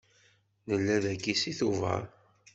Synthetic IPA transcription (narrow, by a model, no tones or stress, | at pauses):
nəlːæðækːisiθuvə̰ɾ